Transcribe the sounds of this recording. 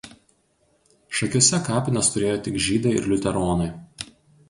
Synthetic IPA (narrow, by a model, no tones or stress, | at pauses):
ʃɐkʲuɔsʲɛkɑːpʲɪnʲɐst̪ʊɾʲeːjoːt̪ʲɪkʒʲiːd̪ɐɪɪ̰ɾlʲʊt̪ʲɛɾoːnɐɪ